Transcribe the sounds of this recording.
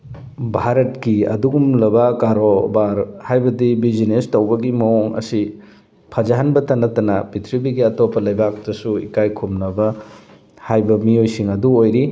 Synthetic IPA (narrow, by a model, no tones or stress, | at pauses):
bʱaɾɐtkiɐ̰duɡumlɐbɐkaɾobaɾhajbɐdibizinestɐwbɐɡimɐoŋɐ̰si | pʰɐd͡ʒaɦanbɐtɐnɐtɐnɐbitʰɾibiɡiɐtopʰːɐlɐjbak̚tɐsuḭkajkʰumnɐbɐ | hajbɐmiojsiŋɐduojɾi